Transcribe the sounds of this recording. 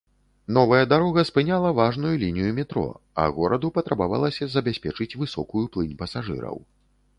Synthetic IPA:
n̪ɔvɐjɐd̪aɾɔɣɐspɨnʲalˠɐvaʐnujulʲinʲijumʲɛt̪ɾɔ̰ | ɐ̰ɣɔɾɐd̪upɐt̪ɾabava̰lˠɐsʲɐzɐbʲasʲpʲɛt͡ʂɨt͡sʲvɨsɔ̰kujuplˠɨnʲpɐsaʐɨ̰ɾɐ̰w

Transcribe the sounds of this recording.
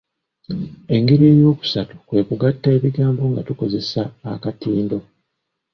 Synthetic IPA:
e̞ŋɡe̞ɾiejo̞ːku̥satu̥kwe̞ːkuɡatːaeβiɡaːmbo̞ŋɡatuko̞ze̞saːkatiːndo̞

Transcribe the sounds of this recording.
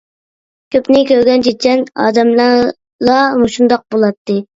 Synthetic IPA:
kʲʰøpnɪkʲøɾɡʲɛnt͡ʃʰet͡ʃʰɛnɑ̰ːd̪ɛml | lˠɑmuʃund̪ɑq̚bolˠɑt̪ːɨ

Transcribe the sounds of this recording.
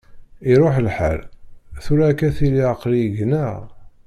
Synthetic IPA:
iɾˤoħlħa̰lθuɾækːæθiliəqliəʝnæʁ

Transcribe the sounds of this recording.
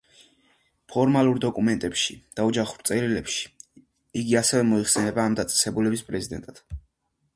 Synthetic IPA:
pʰɔɾmalˠuɾd̪ɔkʼumɛnt̪ʼɛpʃid̪̥aɔd͡ʒaχuɾt̪sʼɛɾilɛpʃi̥ | iɡiasɛvɛmɔiχsɛnɛbaːmd̪at̪sʼɛ̥sɛbulɛbispʼɾɛzid̪ɛ̰nt̪ʼad̪̥

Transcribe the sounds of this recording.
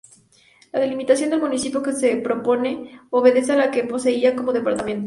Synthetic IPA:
laðe̞limit̪asjo̞nd̪e̞lmunisipjoke̞sepɾo̞po̞ne̞o̞βe̞ðe̞s̬ealakepo̞se̞iako̞mo̞ðe̞paɾt̪amẽ̞nt̪o

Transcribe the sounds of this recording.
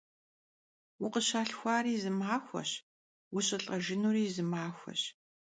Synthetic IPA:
wʊqəɕaːɬxʷaːɾiːzɨmaːxʷɐ̰ɕ | wʊɕʼɪɬʼɐʒɪnuːriːzɨmaːxʷɔ̰ɕ

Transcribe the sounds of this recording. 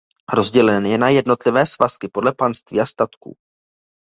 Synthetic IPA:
ɾo̞zɟɛlɛnjɛnajɛdno̞t̪lɪvɛːsvaskɪpo̞dlɛpanst̪viːast̪at̪kṵː

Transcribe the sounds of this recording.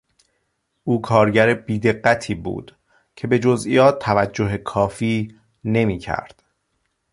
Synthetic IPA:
ʔuːkʰɒːɾɟæɾebiːd̪e̞ɢːæt̪ʰiːbṵːd̪̥ | cʰe̞be̞d͡ʒozʔḭjɒːt̪ʰːævæd͡ʒːoɦekʰɒːfiː | ne̞miːcʰæ̰ɾd̪̥

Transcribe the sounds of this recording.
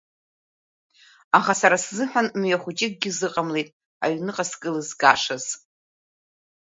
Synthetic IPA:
aχasaɾaszɨħʷᶣanmjaχʷut͡ʃʼɪk̚ʼɡʲɪzɨqʼamlejtʼ | a̰ɥnɨqʼaskʼɨlɨzɡaʂaz̥

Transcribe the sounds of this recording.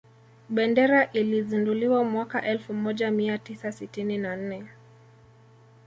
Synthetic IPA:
ɓɛndɛɾaʔilizinduliwamwakaʔɛlfumɔʄamiatisasitininan̩nɛ

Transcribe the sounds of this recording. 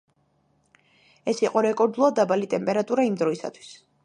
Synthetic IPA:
ɛsiqʼɔɾɛkʼɔɾd̪ulˠad̪abalit̪ʼɛmpʼɛɾat̪ʼuɾaimd̪ɾɔisa̰t̪ʰwi̥s

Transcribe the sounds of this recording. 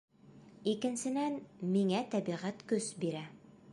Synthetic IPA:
ikɘ̆nsɘ̆nænmiŋæt̪æbiʁæt̪kɵsbiɾæ

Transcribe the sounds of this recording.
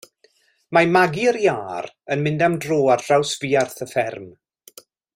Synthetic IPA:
mamaɡiəɾjaːr | ənmɪndamdroːar̥rawsviːarθəfɛrm

